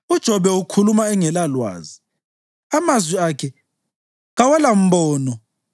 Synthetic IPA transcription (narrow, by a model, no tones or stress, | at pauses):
ud̥ʒ̥ʱɔβɛukʰulumaɛŋɛlalwa̰ːzi | amazwiakʰɛ | ɣawalam̩bɔːnɔ